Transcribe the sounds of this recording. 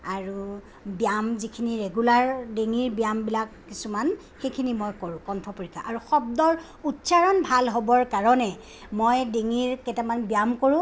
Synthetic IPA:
aɹu | bijamzikʰiniɹeɡulaɹdeŋiɹbijambilakːisuman | xejkʰinimojkoɹʊ̃kɔntʰɔpoɹikʰa̰ʔaɹuxɔb̚dɔɹ | utsaɹɔnbʱalɦobɔɹkaɹɔnɛ | mojdeŋiɹkɛtamanbijamkoɹʊ̃

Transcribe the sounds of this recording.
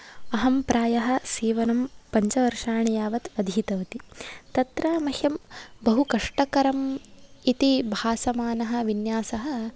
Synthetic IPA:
ɐɦɐmpɾaːjɐɦɐ̆siːʋɐnɐmpɐɲt͡ʃɐʋɐɾʂaːɳijaːʋɐt̪ɐd̪ʱiːt̪ɐʋɐt̪it̪ɐt̪ɾaːmɐhjɐmbɐɦukɐʂʈɐkɐɾɐmit̪ibʱaːsɐmaːnɐɦɐ̆ʋinjaːsɐɦɐ̆

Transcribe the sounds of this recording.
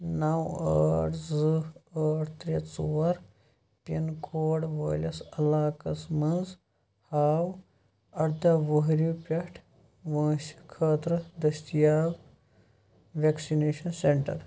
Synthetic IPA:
nɐwəːɽd͡zɨəːɽt̪ɾet͡suwɐɾ | pinkʰoːɽʋəːlʲɐsɐlaːkɐsmɐnd͡z | haːw | ɐɾd̪ɐʋəɦɾuːpʲɐʈʰ | ʋɐ̃ːɕkʰəːt̪ɾɐd̪ɐsijaːw | ʋeksineːɕɐnseɳʈɐ̰ɾ

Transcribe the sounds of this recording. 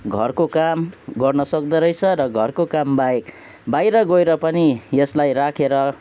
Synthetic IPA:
ɡʱʌrkokamɡʌrnʌsʌk̚d̪ʌɾʌjt͡sʰʌɾʌɡʱʌrkokambaek | bajɾʌɡoeɾʌpʌnijeslajrakʰeɾʌ

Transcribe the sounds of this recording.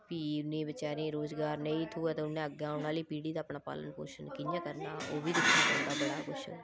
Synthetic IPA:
piːʊnːẽːbɪt͡ʃaːɾẽːɾoːzɡaːɾneĩːt̪ʰuːɛːt̪ːʊnːẽːəɡãːʊnaːliːpiːɽiːd̪aːpɳaːpa̰ːlə̰npo̰ːɾʃənkɪnjãːkəɾnaːoːbiːd̪ɪkʰːãkənd̪aːbəɽaːkʊʃʰ

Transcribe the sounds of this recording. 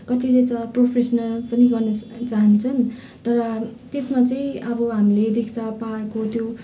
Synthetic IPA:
kʌt̪ilet͡sʌpropʰesʌnʌlpʌniɡʌrnʌt͡saɦʌnt͡sʰʌn | t̪ʌɾʌt̪esmat͡saĩʌbʌɦamiled̪ikt͡saparkot̪ʰjo

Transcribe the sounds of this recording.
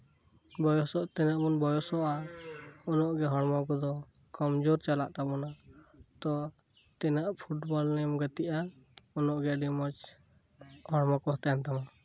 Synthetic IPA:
bɔjɔsɔʔt̪ɛnaʔbunbɔjɔsɔʔa | ɔnɔʔɡɛɦɔɽmakɔd̪ɔ | kɔmd͡ʒoɾt͡ʃala̰ʔt̪abɔnat̪ɔ | t̪ɛnaʔpʰuʈbɔlnɛmɡat̪iʔaɔnɔʔɡɛɖimɔt͡ʃ | hɔɽmakɔɦt̪ɛjant̪ama

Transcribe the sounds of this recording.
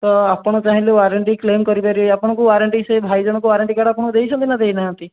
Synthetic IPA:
t̪ɔapɔɽ̃ɔt͡ʃaɦĩleaɾeɳʈiklemkɔɾipaɾijapɔɽ̃ɔ̃kuaɾeɳʈisebʱajd͡ʒɔɽ̃ɔ̃kuʋaɾaɳʈikaɽapɔɽ̃ɔd̪eɦisʰɔnt̪ʰinad̪einaɦãnt̪i

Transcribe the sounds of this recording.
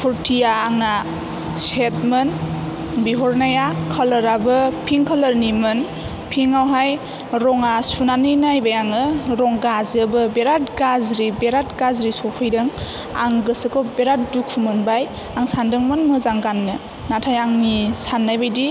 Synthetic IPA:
pʰuɾtʰijaːŋna | set̚mɯn | biɦɔɾnajakʰəlɯɾabɯpʰiŋkʰalɯɾnimɯn | pʰiŋawɦaj | ɾɔŋasunanɯjnajbajaŋɯɾɔŋɡazɯbɯbeɾat̚ɡazɾibeɾatɡazɾisɔpʰɯjdɯŋ | a̰ŋɡɯsɯkʰɔbeɾat̚dukʰumɯnbaj | aŋsandɯŋmɯnmɯzaŋɡanːɯ | natʰajaŋnisanːajbajdi

